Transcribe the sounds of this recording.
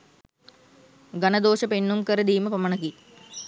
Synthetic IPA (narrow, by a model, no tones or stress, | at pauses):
ɡanəd̪oːʃəpenːumkəɾəd̪iːməpɐmɐnəki